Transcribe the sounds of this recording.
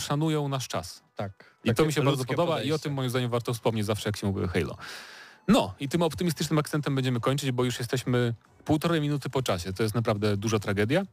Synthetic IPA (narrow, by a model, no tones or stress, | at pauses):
ʂanujɔ̃w̃naʂt͡ʂa̰st̪ak | it̪ɔmʲiɕɛbaɾd̪zɔp̬ɔd̪ɔbaiɔt̪ɨmːɔjimzd̪aɲɛvaɾt̪ɔfspɔmɲet͡ɕzafʂɛjakɕɛmuvʲiɛ̰xɛjlɔ̰ | nɔit̪ɘmɔpt̪ɘmʲist̪ɘt͡ʂnɘmakt̪sɛnt̪̬ɛmbɛɲd͡ʑɛmɘkɔɲt͡ʂɘd͡ʑbɔjuʂjɛst̪ɛɕmɘ | puwt̪ɔɾɛmʲinut̪ɘpɔt͡ʂaɕɛt̪ɔjɛst̪napɾavd̪ɛd̪uʐat̪ɾaɡɛd̪ʲja